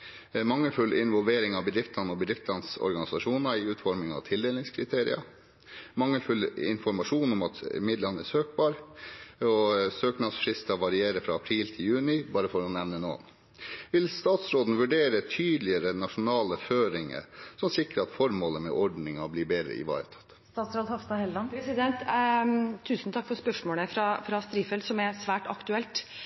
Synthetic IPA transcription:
mɑŋːəlfʉlɪnʋɔlʋeːɾɪŋɑʋbəd̪ɾɪft̪lɑnɔbəd̪ɾɪft̪lɑnsɔ̰ɾɡɑnɪsɑʂuːnɑɪʉːt̪fɔɾmɪŋɑ̰ʋt̪ʰɪld̪eːlɪŋskʰɾɪt̪ʰeːɾɪ̰ɑ̰ | mɑŋːəlfʉlɪ̰nfɔɾmɑʂuːnʊmɑt̪mɪd̪lɑnəɛsøːk̚bɑːɾ | ɔsøːknɑsfɾɪst̪ɑʋɑɾɪeːɾəfɾɑ̰ɑpʰɾiːlt̪ʰɪljʉːnɪbɑːɾəfɔɾɔnɛʋnəno̰ːn | ʋɪlst̪ɑːt̪sɾoːd̪n̩ʋʉɖeːɾət̪ʰyːd̪lɪəɾənɑʂʊnɑːləføːɾɪŋə̰sɔmsɪkɾəɑt̪fɔɾmoːləmɛ̰ʔɔɖnɪŋɑblɪːbeːd̪ɾə̰ɪ̰ʋɑ̰ːɾə̰t̪ʰɑ̥t̪ːst̪ɑːt̪sɾoːd̪hɑft̪ɑhɛlɑnpʰɾɛsɪd̪ɛnt̪ʰː | ʉːsn̩t̪ʰɑkːfɔɾspœʂmoːləfɾɑfɾɑst̪ɾiːfɛlt̪sɔmɛɾsʋæːʈɑ̰kt̪ʉɛlt̪

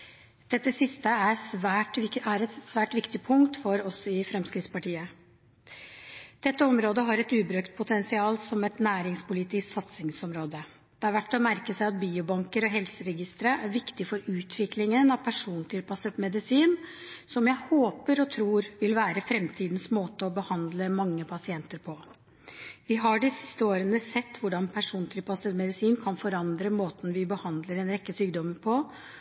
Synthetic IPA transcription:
d̪̥ɛt̪ːəsɪst̪əæɾsʋæːʈæɾɛt̪sʋæːʈʋɪkt̪ɪpʰʊŋkt̪fɔɾɔsɔɪfɾɛmskɾɪt̪spɑʈiːə | d̪̥ɛt̪ːəɔmɾoːd̪əɦɑɾɛt̪ʉːbɾøkt̪̚pʰʊt̪ʰɛnsɪɑːlsɔmɛt̪næːɾɪŋspʊlit̪ɪsk̪sɑt̪sɪŋsɔmɾoːd̪ə | d̪̥ɛæɾʋæʈːɔmæɾkəsæɪɑt̪̚biːʊbɑŋkəɾɔɦɛlsəɾɛɡɪst̪əɾəʔæɾʋɪkt̪ɪfɔɾʉːt̪ʰʋɪklɪŋənɑʋpʰæʂuːnt̪ʰɪlpɑsət̪mɛd̪ɪsiːnsɔmjæɪhoːpəɾɔt̪ʰɾuːɾʋɪlʋæːɾəfɾɛmt̪ʰiːd̪nsmoːt̪əɔbəhɑnd̪ləmɑŋːəpʰɑsɪɛnt̪əɾpʰɔ | ʋɪɦɑɖɪsɪ̥st̪əoːɾənəsɛt̪ːʋʊɖɑnpʰæʂuːnt̪ʰɪlpɑsət̪mɛd̪ɪsiːnkʰɑnfɔɾɑnd̪ɾəmoːt̪n̩ʋɪbəhɑnd̪ləɾɛnɾɛkːəsyːɡd̪ɔmːəɾpʰɔ

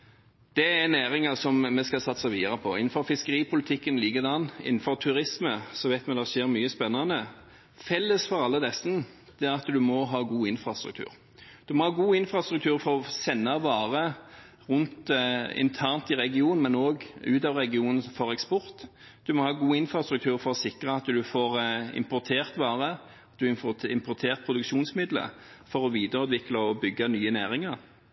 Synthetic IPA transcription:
d̪̥ɛænæːɾɪŋəsɔmmɛskɑlsɑt̪ːsɑʋiːd̪ɑʁəpʰɔɪ̰nn̩fɔɾfɪskəɾiːpʰʊlɪt̪ʰɪkːənliːɡəd̪ɑnːɪ̰nn̩fɔɾt̪ʰʉɾɪsməsɔʋæɪt̪mɛd̪ɛʂeːɾmyːəspɛnːɑnə | fɛlːəsfɔɾɑlːəd̪ɛsn̩ | d̪̥ɛæɾɑt̪d̪ʉmɔɦɑːɡuːɪnfɾɑst̪ɾʉ̰k̚t̪ʰʉ̰ːɾ | d̪̥ʉmɔhɑːɡuːɪnfɾɑst̪ɾʉk̚t̪ʰʉːɾfɔɾɔsɛnːɑʋɑːʁə | ʁʉnt̪ɪ̰nt̪ʰæʁnt̪ɪʁɛɡɪuːn̩mɛnoːɡʉːt̪ɑːʋʁɛɡɪuːnənfɔʁɛkspɔɾt̪ | d̪̥ʉmɔhɑːɡuːɪnfɾʁɑst̪ɾʉk̚t̪ʰʉːʁfɔʁɔsɪkʁəɑt̪ːd̪ʉfoːʁɪ̰mpʊʁt̪ʰeːʁt̪ʋɑːʁə | t̪̚d̪ʉɪmɪmpʊʁt̪ʰeːʁpʰɾʊd̪ʉkʃuːnsmɪd̪lə̰ | fɔɾɔʋiːd̪əɾʉːd̪ʋɪkləɔbʏɡːɑnyːənæːɾɪŋɑʁ

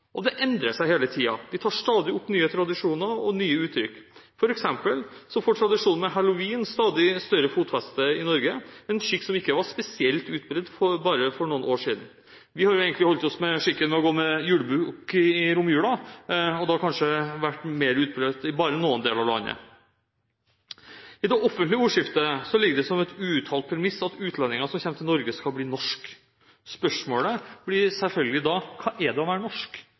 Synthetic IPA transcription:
ʔɔd̪ɛʔɛnd̪ɾəsæɪheːlət̪ʰiːɑ̰d̪ɪt̪ʰɑːʂt̪ɑːd̪ɪʊpːnyːət̪ʰɾɑd̪ɪʂuːnəɾɔ̰nyːəʉːt̪ʰɾʏkː | fɔɾɛksɛmpəlsɔfoːʈʰɾɑd̪ɪʂuːnn̩mɛɦɛlʊʋiːnst̪ɑːd̪ɪst̪œɾəfuːt̪fɛst̪əɪnɔɾɡəɛnʂɪkːsɔmɪkːəʋɑʂpɛsɪɛlt̪ʉːt̪̚bɾɛd̪fɔbɑːɾəfɔɳuːənʔoːʂiːd̪n̩ | ʋɪhɑɾjʊeːɡənɪhɔlt̪ɔsmɛʂɪkːənʋɛɔɡoːmɛjʉːɽəbʉːkɪɪɾʊmjʉːlɑɔd̪ɑkʰɑnʂəʋæʈːmeːɾʉːt̪̚bɾɛt̪ɪbɑːɾənuːənd̪eːlɑʋlɑ̰nːə̰ | ɪd̪ɛʔɔfːənt̪lɪəuːʂɪft̪əsɔlɪɡːəd̪ɛsɔmɛt̪ʉːt̪ʰɑːlt̪̚pʰɾɛmɪsɑt̪ʉːt̪ʰlɛnːɪŋɑsɔmçɛmt̪ʰɪnɔɾɡəskɑlbliːnɔʂk | spœʂmoːləb̥lɪsɛlfœlɡəlɪd̪ɑːkʰɑːʔɛɖ̪ɛɔʋæːɾənɔʂk

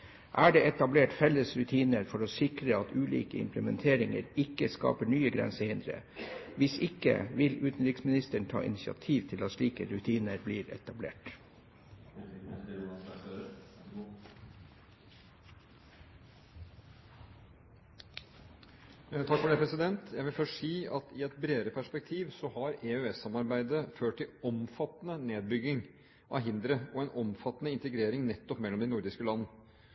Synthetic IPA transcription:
ʔæːɖeːɛt̪ɑbleːʈfɛləsɾʉt̪ʰiːnəɾfɔɾoːsɪkɾəɑt̪ʉːlḭːkəɪ̰mpləmɛnt̪ʰeːɾɪŋə̰ɾɪkːəskɑ̰ːpəɳyːəɡɾɛ̰nsəhɪnd̪ɾə̰ | ʋɪsɪkə̰ʋɪlʉːt̪n̩ɾɪksmɪnɪst̪əɳ̩t̪ʰɑ̰ːʔɪ̰nɪsɪɑ̰t̪ʰiːʋt̪ʰɪlɑt̪ʃliːkəɾʉt̪ʰiːnəɾbliːɾɛ̰t̪ɑblḛːʈ | t̪ʰɑkːfɔɖeːpʰɾɛsɪd̪ɛnt̪ʰjæɪʋɪlfɔʂiːɑt̪ɪɛt̪bɾeːəɾəpʰæʂpɛk̚t̪ʰiːʋsɔhɑɾeøːɛsɑmɑɾbæɪd̪əføːʈːɪlɔmfɑt̪ːnəneːd̪̚bʏɡːɪŋ | ʔɑ̰ɦɪnd̪ɾəɔɛnʔɔmfɑt̪ːnəɪnt̪əɡɾeːɾɪŋnɛt̪ːɔpmɛlːɔmd̪ɛnʊɾd̪ɪskəlɑnːə

